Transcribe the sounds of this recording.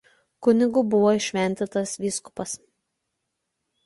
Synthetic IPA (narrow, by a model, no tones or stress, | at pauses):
kʊnʲɪɡʊbʊʋoːɪˑʃʲʋʲɛnʲt̪ʲɪt̪ɐsʋʲiːskʊ̥pɐs